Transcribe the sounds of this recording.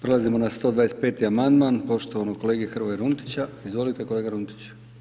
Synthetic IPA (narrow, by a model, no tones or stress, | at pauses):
pɾe̞lazimo̞nast̪o̞d̪ʋaːest̪pe̞ːt̪iamand̪manpo̞ʃt̪oʋanoko̞le̞ːɡiexr̩ʋojaɾunt̪i̥t͡ɕaizʋo̞lit̪eko̞le̞ːɡaɾunt̪i̥t͡ɕ